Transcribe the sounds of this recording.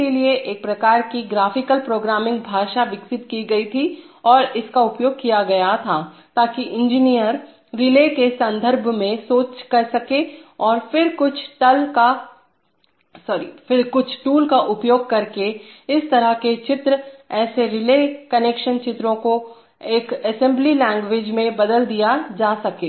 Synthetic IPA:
elieʔeːk̚pɾɐkaːɾkiɡɾaːfɪkəlpɾoːɡɾaːmɪ̃ŋɡ̚bʱaːʃaʋɪksɪt̪̚kiɡɐit̪ʰi | ɔːɾɪskaʊpjoːɡ̚kijaɡɐjat̪ʰaːt̪aːkiʔɪ̃nd͡ʒɪnijəɾː | ɪlekesɐ̃nd̪ʱəɾbʱmẽsoːt͡ʃkɐɾsɐkeɔːɾfɪɾkʊt͡ʃʰʈɐlka | sɔːɾḭfɪɾkʊt͡ʃʰʈuːlkaʔʊpjoːɡ̚kɐɾkeɪst̪ɐɾəɦket͡ʃɪt̪ɾɛːseɾɪleːkɐneːkʃənt͡ʃɪt̪ɾõko | eːkɛsɛ̃mblilɛ̃ːŋɡʋeːd͡ʒmẽbɐd̪əld̪ijad͡ʒaːsɐkeː

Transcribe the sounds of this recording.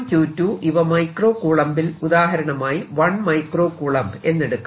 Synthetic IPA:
mt͡ɕuːtːuːʔiʋɐmɐjkro̞ːkuːɭɐmbilud̪aːɦɐɾɐɳɐmaːjiʋɐɳmɐjkro̞ːkuːɭɐmbe̞nːeɽukː

